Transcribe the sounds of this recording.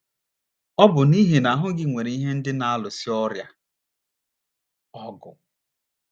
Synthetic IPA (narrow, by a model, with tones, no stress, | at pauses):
ɔ˦bʊ˨ni˦ɦe˨na˨a˨ɦʊ˦ɡɪ˦ŋʷe˨ɾe˨i˦ɦe˦n̩˦dɪ˦na˨a˦lʊ˨si˦ɔ˦ɾja˦ | ɔ˦ɡʊ˨